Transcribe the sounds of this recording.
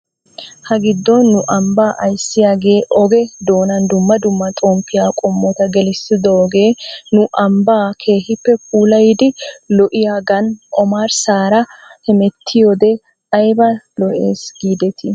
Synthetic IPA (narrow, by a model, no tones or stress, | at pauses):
hɐɡɪd̪ːɔnːʊʔɐmbaːʔɐjsːɪjaːɡe̞ːʔɔɡɛd̪o̞ːnɐnd̪ʊmːɐd̪ʊmːɐt̪ʼoːmpːɪjaːkʼɔmːɔt̪ɐɡɛlɪsɪd̪ɔɔɡeːnʊʔɐmbaːkʰe̞ːhɪpːɛpʰuːlɐjd̪ɪlɔʔɪjaːɡɐnʔɔmaːɾsaːɾɐhɛmɛt̪ʰːɪjɔd̪ɛ | ɐjbɐlɔʔḛːsɡiːd̪ɛt̪ɪ